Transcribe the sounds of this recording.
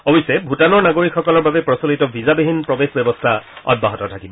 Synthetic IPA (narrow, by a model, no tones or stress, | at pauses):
obisɛbʱutanɔɹnaɡoɹikxɔkɔlɔɹbabɛpɹɔsɔlitɔbʱizabeɦinpɹɔbexbɔbɔstʰaɔ̰d̚baɦɔtɔtʰakibɔ